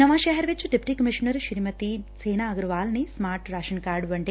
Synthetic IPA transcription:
nɐʋaːʃeːɦɐɾʋet͡ʃːuɖepi̥ʈiːkɐmiʃɐnɐɾʃiɾimɐt̪iseːnaːɐɡɾuʋaːlnismaːɾʈɾaːʃɐnkaːɾɖʋɐɳʈe

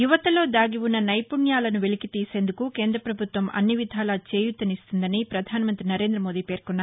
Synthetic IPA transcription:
juʋɐt̪ɐlo̞ːd̪aːɡiʋunːɐnɐjpuɳjaːlɐnuʋelikit̪iːse̞ːnd̪ukuke̞ːnd̪ɾɐpɾɐbʱut̪ʋɐmʔɐ̰nːiʋid̪ʱaːlaːt͡ʃe̞ːjut̪ːɐnist̪und̪ɐnipɾɐd̪ʱaːnɐmɐnt̪ɾinɐɾe̞ːnd̪ɾɐmo̞ːd̪iːpe̞ːɾkɔnːaː

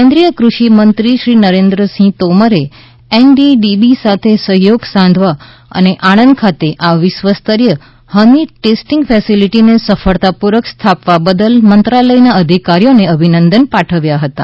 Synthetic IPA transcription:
kẽnd̪ɾijəkɾuʃimənt̪ɾiʃɾinəɾẽnd̪ɾəsĩt̪oməɾe | enɖiɖibisat̪ʰesəɦjoɡsãnd̪ʱʋa | ə̰neʔaɽ̃ənd̪̚kʰat̪eʔaʋɪsʋəst̪əɾjə | həniʈesʈĩŋɡfʰɛsiliʈinesəfəɭt̪apuɾəkst̪ʰapʋabəd̪əlmənt̪ɾaləjnaəd̪ʱikaɾijoneəbʱinənd̪ənpaʈʰəʋjaɦət̪a̰

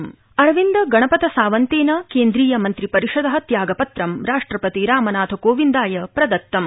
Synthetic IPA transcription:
m | ɐɾʋind̪ɐɡɐɳɐpɐt̪ɐsaːʋɐnt̪eːnɐkeːnd̪ɾiːjɐmɐnt̪ɾipɐɾiʃɐd̪ɐɦɐ̆t̪jaːɡɐpɐt̪ɾɐmɾaːʂʈɾɐpɐt̪iɾaːmɐnaːt̪ʰɐkoːʋind̪aːjɐpɾɐd̪ɐt̪ːɐm

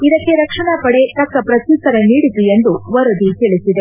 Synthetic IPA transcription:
id̪ɐkːe̞ɾɐkʂɐɳapɐɽe̞t̪ɐkːɐpɾɐt̪isɐɾeniːɽit̪uend̪uʋɐɾɐd̪it̪iɭisid̪e

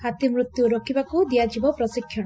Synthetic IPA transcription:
hat̪imɾut̪juɾokʰibakud̪ijad͡ʒibɔpɾɔsikʰːjɔɽ

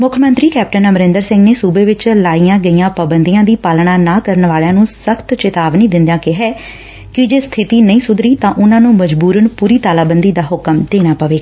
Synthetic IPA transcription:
mʊkʰəmə̃nt̪ɾiːkɛːp̚ʈənəmɾɪ̃nd̪əɾsɪ̃ŋɡneːsuːbeːʋɪt͡ʃlaːijãːɡəijãːpəːbənd̪iːãːd̪iːpaːlɳaːnaːkəɾənʋaːlejãːnũːsəkʰt̪t͡ʃɪt̪aːʋnĩːd̪ɪ̃nd̪jãːkɪɦɛː | kɪd͡ʒeːst̪ʰɪt̪iːnəĩːsʊd̪ɾiːt̪ãːʔʊnãːnũːməd͡ʒbuːɾəɳpuːɾiːt̪aːlaːbənd̪iːd̪aːɦʊkəmd̪̥eːñaːpəʋeːɡa

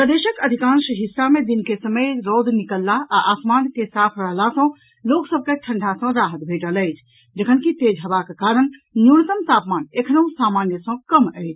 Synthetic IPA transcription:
pɾəd̪eʃəkəd̪ʱikãnsəɦisːamed̪inkesəməjɾɔd̪nikəlːaʔaʔasmankesapʰɾəɦlasə̃ | loksəb̚keʈʰəɳɖʱasə̃ɾaɦət̪̚bʱeʈələjt͡ʃʰ | d͡ʒəkʰənkit̪ed͡ʒɦəbakekaɾənːjunət̪əmt̪apmanekʰənəũsamanjəsə̃kəməjt͡ʃʰ

